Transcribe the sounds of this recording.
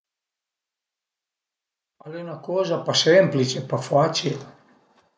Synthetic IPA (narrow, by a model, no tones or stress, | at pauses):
alenakɔzapasemplit͡ʃepafat͡ʃil